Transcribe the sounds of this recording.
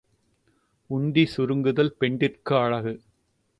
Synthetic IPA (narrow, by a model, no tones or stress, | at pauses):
ʊɳɖisʊɾɯŋɡɯðɐlpɛɳɖɪrkɯɐɻɐɣɯ